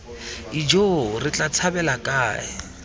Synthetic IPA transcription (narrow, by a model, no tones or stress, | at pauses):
id͡ʒorɪt͡ɬʼat͡sʰabɛlakʼaːɪ̰